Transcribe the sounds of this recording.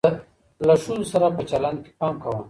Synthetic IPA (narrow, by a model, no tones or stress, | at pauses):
laʂunosaɾapət͡ʃaland̪̚ke̥pɑːmkawa